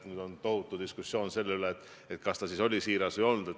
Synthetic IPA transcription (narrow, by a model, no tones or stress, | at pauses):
nyːd̪̥o̞nt̪o̞hut̪ːˑud̪iskusːo̞ːnse̞lːeyleːt̪ː | et̪kɑst̪ɑsiso̞lʲisiːɾɑsvəjo̞lnud̪̥et̪